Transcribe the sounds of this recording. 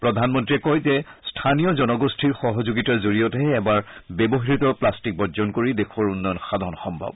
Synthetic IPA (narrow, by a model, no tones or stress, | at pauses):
pɹɔdʱanmɔntɹiɛkɔjzɛstʰanijɔzɔnɔɡostʰiɹxɔɦɔzuɡitazoɹijɔtɛːbaɹbɛbɔɦɹitɔplastik̚bɔzɔnkoɹidexʰaɹʊnːɔjɔnxadʱɔnxɔmbʱɔ̰b̚